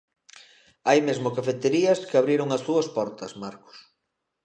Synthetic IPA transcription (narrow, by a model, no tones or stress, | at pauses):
ajmezmʊkafet̪eɾiɐskɪaβɾiɾʊŋɐsuɐspɔɾt̪ɐsmaɾkʊ̥s